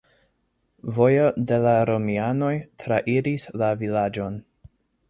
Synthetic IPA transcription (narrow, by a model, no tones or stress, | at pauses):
vo̞jode̞laɾo̞miano̞jtʰɾaʔiɾislavilad͡ʒo̞n